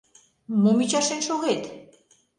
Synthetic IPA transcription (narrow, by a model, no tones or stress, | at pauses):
mumit͡ɕɑʃenʃoʁet̪